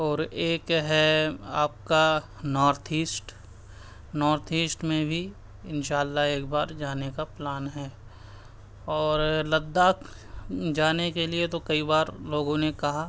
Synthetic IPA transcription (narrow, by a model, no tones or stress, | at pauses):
ɔːɾeːkɦɛaːp̚ka | nɔːɾt̪ʰiːsʈ | nɔːɾt̪ʰiːsʈmẽbʱi | ɪnʃaːlːaɦeːkbaːɾd͡ʒaːnekaplaːnɦɛː | ɔːɾlɐd̪ːaːk | d͡ʒaːnekeliet̪okɐibaːɾloːɡõnekɐɦa